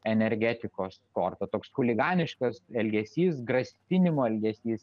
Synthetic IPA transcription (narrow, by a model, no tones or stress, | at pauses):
ɛnʲɛɾʲɡʲæːt̪ʲɪkoːskoːrt̪ɐt̪oːksxʊlʲɪɡɑːnʲɪʃkɐsɛlʲɡʲɛsʲiːs̬ɡɾɐsʲt̪ʲɪnʲɪmoːɛlʲɡʲɛsʲiːs